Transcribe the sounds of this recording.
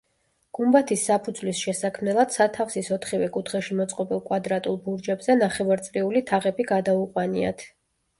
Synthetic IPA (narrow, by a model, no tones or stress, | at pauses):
ɡ̥umbat̪ʰisːapʰud̪zwlisʃɛsakʰmnɛlˠad̪̥sat̪ʰafsisɔt̪ʰχivɛkʼut̪ʰχɛʃimɔt̪sʼqʼɔbilˠkʼwad̪ɾat̪ʼulˠbuɾd͡ʒɛbzɛnaχɛvaɾt̪sʼliulit̪ʰaʁɛbiɡad̪auqʼwania̰t̪ʰ